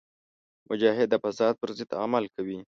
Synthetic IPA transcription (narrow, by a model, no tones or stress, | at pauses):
mʔʊd͡ʒɑɦɪd̪ːəfasɑd̪̚pəɾzɪd̪a̰malkawi